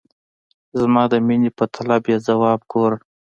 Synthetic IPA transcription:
zmɑːd̪əminipət̪ʰalabjazawɑːb̚ɡoɾ

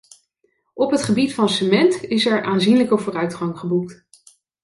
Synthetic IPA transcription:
ɔpɦətχəbitfɑnsəmɛntɪsɛɹʔaːnzinləkəvʊːrœɥtχɑŋχəbuk̚t

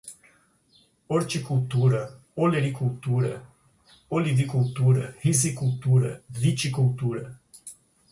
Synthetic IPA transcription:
ort͡ʃekult̪uɾə | oleɾikult̪uɾə | olivikult̪uɾəhizikult̪uɾəvit͡ʃikult̪uɾə

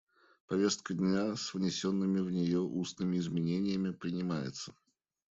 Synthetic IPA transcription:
pɐvʲe̞st̪̚kədʲnʲasvnʲɪsʲonːɨmʲɪvnʲɪjo̞ʔusnɨmʲɪɪzmʲɪnʲenʲɪjəmʲɪpɾʲɪnʲɪmajɪ̰t̪sə̥

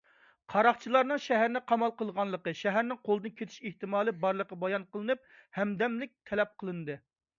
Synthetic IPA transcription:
qʰɑɾɑχt͡ʃʰilˠɑɾnɨŋʃɛɦæɾnɪqʰɑmɑlˠqəlˠʁɑnlˠəqəʃɛɦæɾnɪŋqʰolˠd̪ɨnkʲʰet̪ʰɪ̥ʃeht̪ɨmɑːlˠɨbɑɾlˠəqːɑbɑjɑnqəlˠɨnɨp̚ | hɛmd̪ɛmlɪk̚ʲt̪ʰɛlɛp̚qʰəlˠɨnɨd̪ɨ

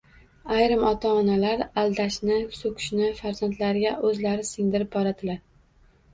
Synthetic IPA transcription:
ajɾɪmɒt̪ʰaɒnalaɾald̪aʃnɪsokʲʰʊ̥ʃnɪfaɾz̥ant̪laɾɪɡʲaʔɵzlaɾɪsɪŋd̪ɪɾɪp̚bɒɾad̪ɪlaɾ

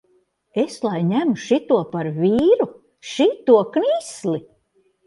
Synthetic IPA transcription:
eslˠajɲæmuʃit̪uɔpaɾvʲiːɾu | ʃit̪uɔkniːsli

